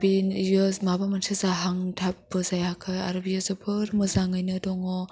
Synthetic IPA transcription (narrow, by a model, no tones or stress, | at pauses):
binjɔzmabamansʰɯzaɦaŋtʰap̚bɯzajhakʰɯja̰ɾɯbijɔzɯpʰɯɾmɯzaŋɯjnɯdɔŋɔ